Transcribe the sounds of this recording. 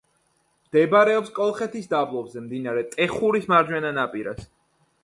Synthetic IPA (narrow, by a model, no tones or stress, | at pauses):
md̪̥ɛbɾɛɔpskʼɔlˠχɛt̪ʰisd̪ablˠɔbzɛmd̪inaɾɛt̪ʼɛχuɾismaɾd͡ʒwɛnanapʼiɾa̰s